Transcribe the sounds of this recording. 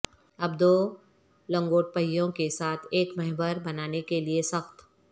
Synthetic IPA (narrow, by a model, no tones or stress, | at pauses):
ɐbd̪oː | lɐ̃ŋɡoːʈ̚pəjːõkesaːt̪ʰeːkmɐɦbəɾbɐnaːnekeliesɐxt̪